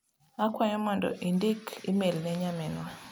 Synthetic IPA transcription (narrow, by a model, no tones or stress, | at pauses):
akwaɲɔmɔndɔ̰ʔindikʰimelnɛɲamɛnwa